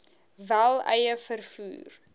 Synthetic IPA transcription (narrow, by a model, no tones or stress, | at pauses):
vælˠɛjəfərfṵːr